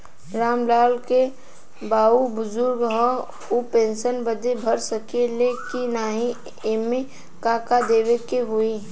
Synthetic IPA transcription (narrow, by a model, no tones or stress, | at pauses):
ɾaːmlaːlke | baːubʊzʊɾɡɦɔ | upẽːnʃənbəd̪ebʱəɾsəkelekinaːɦĩ | emẽ | kaːkad̪eːʋekeɦʊi